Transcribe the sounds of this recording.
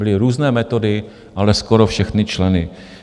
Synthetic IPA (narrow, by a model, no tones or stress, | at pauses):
bɪlɪɾuːznɛːmɛt̪o̞dɪ | ʔalɛskoɾofʃɛxnɪt͡ʃlɛnɪ